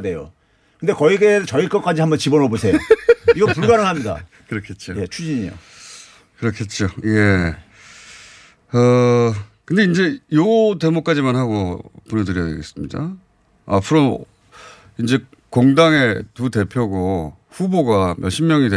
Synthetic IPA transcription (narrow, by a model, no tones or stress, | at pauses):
de̞jo̰ | kɯndekʌiɡet͡ɕʌiɭk͈ʌk͈ad͡ʑiɦambʌnt͡ɕibʌnobosʰe̞joiɡʌpuɭɡaɾɯɭɦamɲida̰ | kɯɾʌkʰet̚t͡ɕ͈ʰojet͡ɕʰud͡ʑiɲio̰ | kɯɾʌkʰet̚t͡ɕ͈oje̞ | ʌ | kɯndeind͡ʑe̞jote̞mok͈ad͡ʑimanɦaɡoponedɯɾjʌdḛɡe̞s͈ɯmɲida̰ | apʰɯɾo | ind͡ʑe̞ | koŋdaŋe̞tute̞pʰjoɡo | ɸuboɡamjʌɭɕʰimːjʌŋide